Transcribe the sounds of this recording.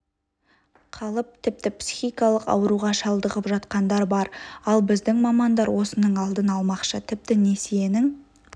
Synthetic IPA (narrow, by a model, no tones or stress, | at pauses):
qʰɑlˠəp̚t̪ʰɪp̚t̪ɪpsi̥xijkɑlˠəqɑ̰wəɾuʁɑʃɑlˠd̪əʁəpʒɑt̪qɑnd̪ɑɾbɑɾɑlˠbɪzd̪ɪŋmɑmɑnd̪ɑɾwʔo̞sənəɴɑlˠd̪ənɑlˠmɑqʃət̪ʰɪp̚t̪ɪnesije̞nɪŋ